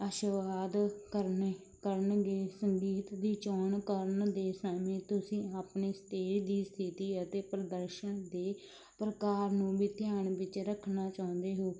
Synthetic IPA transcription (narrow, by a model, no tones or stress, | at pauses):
əːʃəʋaːd̪kəɾne | kəɾənɡeːsəŋɡiːt̪d̪iːt͡ʃɔːɳkəɾənd̪eːsamẽːt̪ʊsĩːaːpɳeːst̪eːd̪iːst̪ʰɪt̪iːət̪eːpɾəd̪əɾʃənd̪eː | pɾəkaːɾnũːbiːt̪ɪjaːɳbɪt͡ʃɾəkʰːnaːt͡ʃaːʊ̃nd̪eːɦoː